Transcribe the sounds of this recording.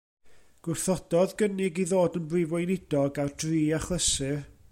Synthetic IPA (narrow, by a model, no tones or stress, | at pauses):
ɡ̥wɪrθɔd̥ɔðɡənɪɡiðoːdənbrivɔjnɪd̥ɔɡardʰriːaχlˠəsɪr